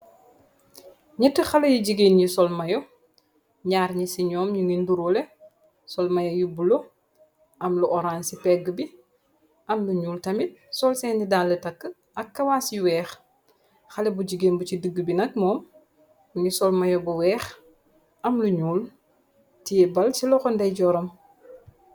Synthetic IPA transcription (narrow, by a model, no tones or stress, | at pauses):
ɲɛtːəxɐlɐjiɟiɡeːnjisɔlmɐjɔ | ɲaːɾɲisiɲɔːmɲuŋɡinduɾɔlɛ | sɔlmɐjɔjubulo | ʔɐmluʔɔɾaːnsipɛɡːəbi | ʔɐmluɲuːltɐmit̚sɔlsɛnidaːnlətɐkːə | ʔɐkːɐwaːsjiwɛːx | xɐlɛbuɟiɡeːnbucidəɡːbinɐk̚mɔːm | ɲisɔlmɐjɔbuwɛːx | ɐmluɲuːl | tijɛbɐlsilɔxɔndɐjɟɔɾɐm